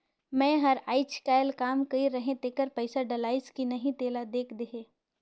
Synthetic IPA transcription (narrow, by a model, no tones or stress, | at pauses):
mɛ̃ːɦɐɾaːɪt͡ʃkaːɪlkaːmkɐiɾɐɦẽt̪eːkəɾpɐɪsaɖɐlaːɪskinɐɦĩt̪eːlad̪eːkʰd̪eɦeː